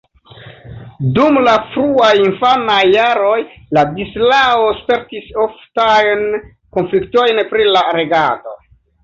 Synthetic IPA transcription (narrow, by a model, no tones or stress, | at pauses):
dumlafɾuajinfanajːaɾo̞jladislaospe̞ɾtisoftajn | ko̞nflikto̞jnpɾilaɾe̞ɡado̰